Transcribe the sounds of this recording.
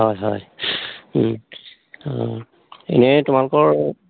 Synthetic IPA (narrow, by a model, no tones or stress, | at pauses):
ɦɔjɦɔj | ḛnɛtʊmalʊkɔɹ